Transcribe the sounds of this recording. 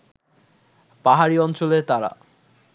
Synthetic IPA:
paɦaɾiɔnt͡ɕolet̪aɾa̰

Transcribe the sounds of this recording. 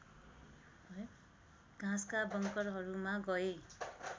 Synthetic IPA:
ɡ̥ʱãskabʌŋkʌɾɦʌɾumaɡʌje

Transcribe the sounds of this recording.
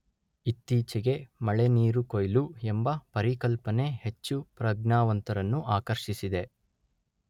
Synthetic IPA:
it̪ːiːt͡ʃɛɡe̞mɐɭe̞niːɾukojluembɐpɐɾikɐlpɐne̞he̞t͡ʃːupɾɐɡnaːʋɐnt̪ɐɾɐnːuʔaːkɐɾʃisid̪e̞

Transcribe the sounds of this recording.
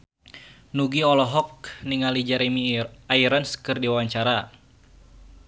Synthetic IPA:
nuɡiɔlɔɦɔk̚niŋalid͡ʒaɾemiaiɾanskɨrdiwawaɲt͡ʃaɾa

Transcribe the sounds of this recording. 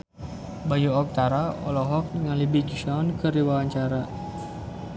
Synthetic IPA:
bajuɔk̚t̪aɾaɔ̰lɔɦɔk̚nəŋalibid͡ʒuʃaɔnkəɾiwawaɲt͡ʃaɾa

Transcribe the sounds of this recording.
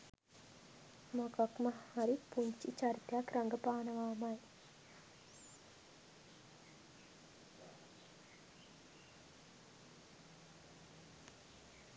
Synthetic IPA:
mɐkɐkmɐhɐɾipuɲt͡ʃḭt͡ʃɐɾt̪jakɾɐŋɡɐpaːnɐʋaːmɐj

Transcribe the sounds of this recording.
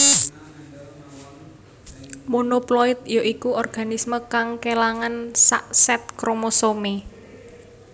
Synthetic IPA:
munoploɪt̪̚joʔikuɔrɡ̥a̤nisməkaŋkelaŋansa̰ʔsɛt̪̚kɾomosome

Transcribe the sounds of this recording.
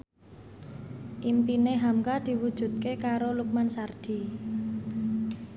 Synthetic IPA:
ʔimpineɦamkad̪̥i̤wud̥ʒ̥ṳt̪̚kekaɾoluk̚mansard̥i̤

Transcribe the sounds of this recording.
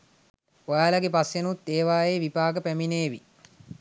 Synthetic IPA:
ojaːlɐɡepasjenut̪ːeːʋaːjeʋipaːɡəpæmineːʋi

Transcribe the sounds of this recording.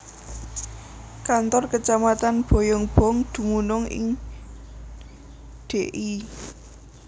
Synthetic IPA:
kant̪ɔrkət͡ʃamat̪anb̥ɔ̤jɔŋb̥ɔ̤ŋd̪̥ṳmunʊŋɪ̰ŋ | ɖ̪̥e̤ʔi

